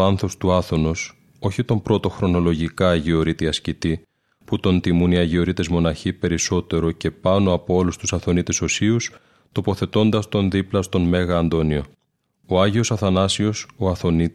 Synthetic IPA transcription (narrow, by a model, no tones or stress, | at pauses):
ɐnθo̞st̪uɐθo̞no̞s | o̞çit̪o̞mpɾo̞t̪o̞xɾo̞no̞lo̞ʝikɐːʝeo̞ɾit̪iɐscit̪i | put̪o̞nt̪imuniɐʝeo̞ɾit̪e̞zmo̞nɐçipe̞ɾiso̞t̪e̞ɾo̞ce̞pɐno̞ɐpo̞o̞lust̪usɐθo̞nit̪e̞so̞sius | t̪o̞po̞θe̞t̪o̞nd̪ɐst̪o̞nðiplɐst̪o̞nme̞ɣɐːnd̪o̞nio̞ | o̞ɐʝio̞sɐθɐnɐsio̞soɐθo̞ni